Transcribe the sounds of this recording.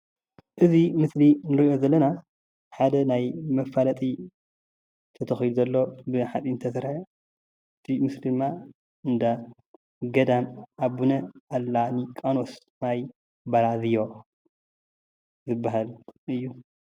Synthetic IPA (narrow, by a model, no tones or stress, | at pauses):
ʔɨzimɨslinɨɾiʔo̞zɐlːɐna | ħad̪ɐnajmɐfalɐt̪ʼi | t̪ʰɐt̪ʰɐxid̪uzɐlːo̞bɨħat͡s̪ʼint̪ʰɐsɨɾħe | ɨt̪ʰimɨslid̪ɨmːa | ɨnd̪a | ɡɐd̪anabunɐʔalːanikʼano̞s | naj | baɾazɨjo̞ | zɨbːaɦalɨjːu